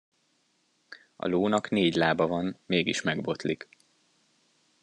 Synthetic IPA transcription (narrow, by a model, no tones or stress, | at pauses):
ɒ̰loːnɒkneːɟlaːbɒvɒnmeːɡḭʃmɛɡbo̞t̪lik